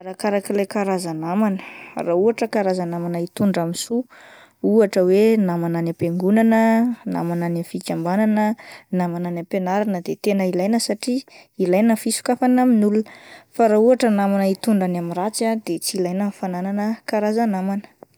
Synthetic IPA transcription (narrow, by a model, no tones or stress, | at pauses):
ɾakaɾakilejkaɾazanamanə̥rauaʈ͡ʂəkaɾazanamanait̪uɳɖ͡ʐamisu | uaʈ͡ʂəwenamananapeŋɡunanəna̰mananafikʲambananənamananapenaɾanəd̪et̪enəilajnəsaʈ͡ʂiilajnəfisu̥kafanaminulunəfaɾauaʈ͡ʂənamanəit̪uɳɖ͡ʐanamiɾat͡sad̪̥et͡silajnanfanananəkaɾazanamanə̥